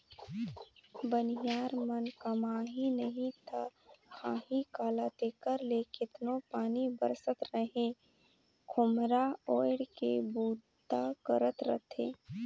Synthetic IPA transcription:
bənijaːɾmənkəmaːɦinəɦĩt̪ʰahaːɦikaːlat̪eːkəɾleːkɪt̪nopaːnibəɾsət̪ɾəɦẽ | kʰʊmɾaoːjɽkḛbuːd̪ | t̪akəɾət̪ɾə̰t̪ʰẽː

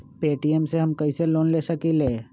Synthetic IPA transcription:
peːʈiemseɦɐmkɐiseloːnleːsɐkileː

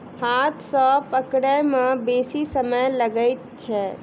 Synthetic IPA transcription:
hat̪ʰsə̃pəkɽəjmebesisəməjləɡəjt̪̚t͡ʃʰɛ

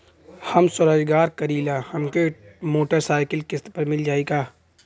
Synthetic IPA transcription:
hɐmsʊɾaːd͡ʒɡaːɾkɐɾiːlaːhɐmkemoːʈəɾsaːɪkəlkɪst̪pɐɾmɪld͡ʒaːeɡaː

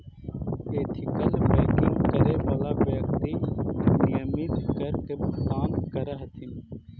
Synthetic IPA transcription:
eːt̪ʰɪkəlbɛːkɪŋɡkəɾeːʋaːlaːbjək̚t̪iːnijəmid̪kəɾkɪbt̪ãːɡ̪kəɾəɦt̪ʰɪn

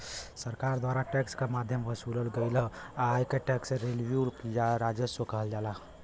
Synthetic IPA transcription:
səɾkaɾd̪waɾaʈɛkskemad̪ʱjəmɦəsuləlɡəɪləaːjkeʈɛksẽɾelbjuɾkijaɾad͡ʒjəsokəɦəld͡ʒala

